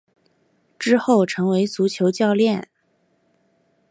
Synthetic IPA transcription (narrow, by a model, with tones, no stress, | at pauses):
ʈ͡ʂɻ̩˥xo˥˩ʊʈ͡ʂʰɤ˧˥ŋwe˧˥ɪt͡su˧˥t͡ɕʰjo˧˥ʊt͡ɕjɑ˥˧ʊljɛ˥˩n